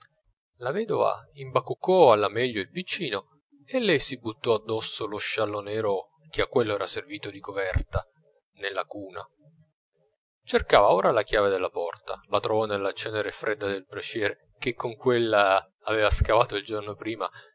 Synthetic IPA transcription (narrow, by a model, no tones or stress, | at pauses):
lavɛːd̪ova̰imbakːukːɔalːamɛʎːoilpit͡ʃːiːno | elːɛjsibut̪ːɔad̪ːɔsːoloʃːalːonɛːɾo | k̟eakːwelːoɛːɾaserviːt̪od̪ikovɛrt̪a | nelːakuːna̰ | t͡ʃerkaːvaoːɾalak̟jaːved̪elːapɔrt̪a̰lat̪ɾovɔnelːat͡ʃɛːneɾefɾʔed̪ːad̪elpɾat͡ʃjɛːɾe | k̟ekːoŋkwelːaː | veːvaskavaːt̪oild͡ʒornopɾiːma̰